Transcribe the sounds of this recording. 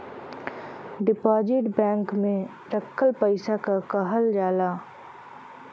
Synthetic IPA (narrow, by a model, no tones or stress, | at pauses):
ɖɪpaːd͡ʒɪʈbɛ̃ːŋkmẽ | ɾəkʰːəlpəɪsakakɐɦəld͡ʒaːlaː